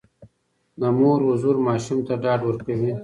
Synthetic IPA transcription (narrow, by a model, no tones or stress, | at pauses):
namoːɾɦʊzuɾmɑːʃumt̪aɖɑːɖwəɾkawi